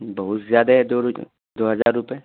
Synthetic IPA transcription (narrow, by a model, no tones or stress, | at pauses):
bɐɦʊt̪zjaːd̪aɦɛd̪o | d̪oɦɐzaːɾːʊpe